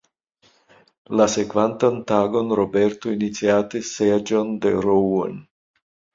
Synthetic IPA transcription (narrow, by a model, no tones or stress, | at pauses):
lasekvant̪ant̪aɡo̞nɾobeɾt̪oinit͡siat̪esːed͡ʒond̪eɾowon